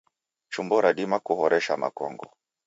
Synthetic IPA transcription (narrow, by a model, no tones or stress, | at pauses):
t͡ʃumbɔɾaɗimakuhɔɾɛʃama̰kɔŋɡɔ̰